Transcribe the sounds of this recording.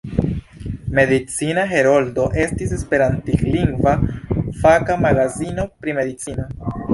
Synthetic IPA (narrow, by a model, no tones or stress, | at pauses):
me̞d̪it͡sinaɦe̞ɾo̞ldo̞ʔe̞stisespe̞ɾantikliŋɡvafakamaɡazino̞pɾime̞d̪it͡sino